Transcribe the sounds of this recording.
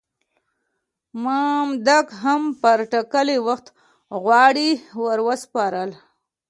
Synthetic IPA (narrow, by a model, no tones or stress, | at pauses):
mamd̪akɦampəɾʈakəliwaxt̪ | ɣwɑɽiwəɾwəspɑɾəl